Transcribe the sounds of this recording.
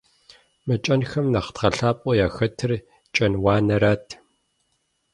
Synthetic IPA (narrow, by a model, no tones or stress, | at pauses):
mɐt͡ʃʼɐnxɐmnɐχtʁɐɬaːpʼɔjaːxɐtʰɨr | t͡ʃʼɐnwaːnɐɾaːtʰ